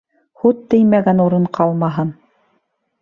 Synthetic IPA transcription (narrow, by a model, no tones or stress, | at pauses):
hut̪ːɘ̆jmæɡænuɾɤɴqʰɑlˠmɑɦɤn